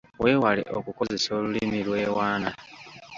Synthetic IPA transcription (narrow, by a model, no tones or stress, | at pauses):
we̞ːwalḛʔokuko̞ze̞so̞ːlulimilwe̞ːwaːna